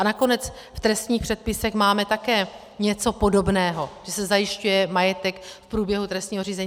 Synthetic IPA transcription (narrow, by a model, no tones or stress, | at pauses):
ʔanako̞nɛt͡s | ft̪ɾɛst̪ɲiːxpr̝̥ɛt̪̚pɪsɛxmaːmɛt̪akɛː | ɲɛt͡so̞po̞do̞bnɛːɦo̞ʒ̥ɛsɛzajɪʃcujɛmajɛt̪ɛkfpɾuːbjɛɦut̪ɾɛst̪ɲiːɦo̞r̝iːzɛɲː